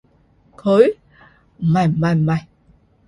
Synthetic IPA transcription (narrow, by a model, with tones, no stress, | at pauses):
kʰo˨˦j | ma˨˩ma˨˩ma˨˩j